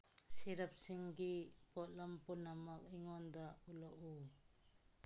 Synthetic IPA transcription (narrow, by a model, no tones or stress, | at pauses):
siɾɐp̚siŋɡipɔtlɐmpunamɐk̚iŋɔnd̪aulɔʔu